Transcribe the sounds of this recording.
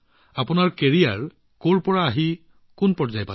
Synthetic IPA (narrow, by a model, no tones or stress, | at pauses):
apʊnaɹkeɹia̰ɹ | koɹpɔɹaːɦi | kʊnpɔɹzajpa